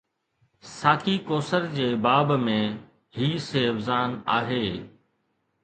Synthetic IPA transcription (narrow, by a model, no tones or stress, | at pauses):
saːkikoːsəɾd͡ʑeːbaːbmẽ | ɦiːseəbzaːna̰ːɦeː